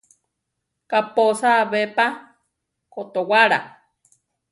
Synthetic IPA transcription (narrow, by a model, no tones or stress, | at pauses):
kaposaβepa | kot̪owaɾa̰